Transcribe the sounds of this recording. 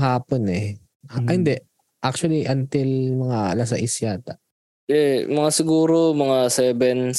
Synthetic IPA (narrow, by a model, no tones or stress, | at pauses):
ɦaːponɛ | hɪnd̪ɛʔ | ʔak̚t͡ʃʊɐliʔɐnt̪ɪlmɐŋalɐsɐ̰ʔɪsjaːt̪ɐʔ | ɛmɐŋasɪɡuːɾomɐŋasɛːbɛn